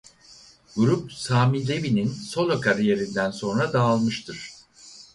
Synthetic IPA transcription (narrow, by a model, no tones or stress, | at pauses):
ɡ̥uɾup̚saːmilʲevininso̞lˠokʰaɾije̞ɾind̪ænso̞nɾad̪aːlˠmɯʃt̪ʰɯɾ̥